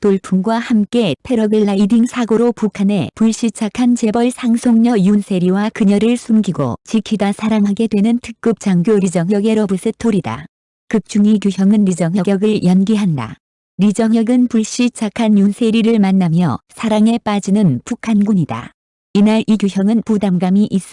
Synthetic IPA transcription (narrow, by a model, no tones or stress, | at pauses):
toɭpʰumɡwahamk͈e̞tʰe̞ɾʌɡɯɭːaidiŋsʰaɡoɾopukʰane̞̰puɭɕ͈it͡ɕʰakʰant͡ɕe̞bʌɭsʰaŋsʰoŋɲʌjunsʰe̞ɾiwakɯɲʌɾɯɭsʰumɡiɡo̰t͡ɕikʰidasʰaɾaŋɦaɡe̞dwe̞nɯntʰɯk̚k͈ɯp̚t͡ɕ͈aŋɡjoɾid͡ʑʌŋjʌɡe̞ɾʌbɯs͈ʰɯtʰoɾida̰ | kɯk̚t͡ɕ͈uŋikjuçjʌŋɯnɾid͡ʑʌŋjʌɡjʌɡɯɭjʌnɡiɦanda̰ | ɾid͡ʑʌŋjʌɡɯnpuɭɕ͈it͡ɕʰakʰanjunsʰe̞ɾiɾɯɭmanːamjʌ̰sʰaɾaŋe̞p͈ad͡ʑinɯnpukʰanɡuɲida̰ | inaɾiɡjujʌŋɯnpudamɡamiʔis͈ʌ